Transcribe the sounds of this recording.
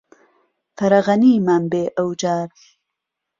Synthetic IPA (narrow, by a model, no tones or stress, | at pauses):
fɐɾaɣɐniːmambeːʔawd͡ʒaːɾ